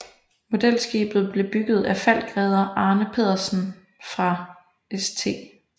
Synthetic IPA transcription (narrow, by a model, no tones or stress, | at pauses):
mo̝d̥el̰sɡ̥ḭːb̥ð̞̩ˠb̥le̝b̥yɡ̥ð̞̩ˠæfæl̰̚ɡ̥ʁɛːð̞ˠɐʔɑ̈ːnəpʰe̝ð̰ˠɐsn̩ | fʁɑ̈ | est͡sʰe̝̰ː